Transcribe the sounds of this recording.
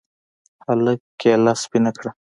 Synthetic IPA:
haləkːelɑspinakɽa

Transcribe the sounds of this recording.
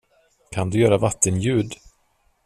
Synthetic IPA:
kʰand̪ɵjœːɾavat̪ʰːənjʉ̟ːd̪

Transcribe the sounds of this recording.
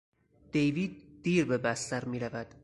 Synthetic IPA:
d̪̥ejviːd̪̚ːiːɾbe̞bæst̪æɾmiːɾævæd̪̥

